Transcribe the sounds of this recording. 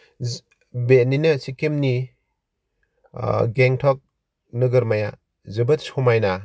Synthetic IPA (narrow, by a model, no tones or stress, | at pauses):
beninɯsikemni | ɡeŋtʰɔk̚ | nɯɡɐɾmaja | zɯbɐt̚sɔmajna